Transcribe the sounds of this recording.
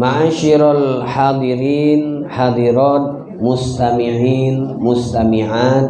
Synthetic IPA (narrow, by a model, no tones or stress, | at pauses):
maʕaːʃiɾalħad̪ˤɨɾiːnħad̪ˤiɾaːt̪̚ | mʊst̪amiʕiːnmʊst̪amiʕaːt̪